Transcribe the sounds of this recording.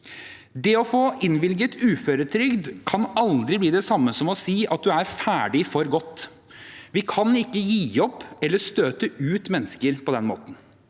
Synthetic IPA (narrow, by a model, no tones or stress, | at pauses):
d̪ɛɔfoːɪnʋɪlɡət̪ʰʉːføːɾət̪ʰɾʏɡd̪kʰɑnɑld̪ɾɪbliːd̪ɛsɑmːəsɔmɔsiːʔɑ̰t̪̚d̪ʉæɾfæːɖɪfɔɾɡɔt̪ː | ʋɪkʰɑnɪkːəjiːɔpːɛlːəst̪øːt̪əʉːt̪mɛnːəskəɾpʰɔd̪ɛnmo̰ːt̪n̩